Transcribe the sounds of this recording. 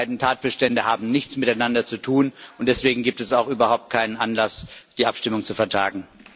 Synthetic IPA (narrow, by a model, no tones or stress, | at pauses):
aɪdn̩tʰaːt̚b̥əʃtɛndəhaːbm̩nɪçt͡smɪtaɪnandɐt͡sutʰuːnʔʊnt̚d̥ɛsv̥eːɡŋ̩ɡiːptɛsaʊxʔyːbɐhaʊp̚t̚kʰaɪnənʔanlasd̥iːʔapʃtɪmʊŋt͡sufɛɐtʰaːɡŋ̩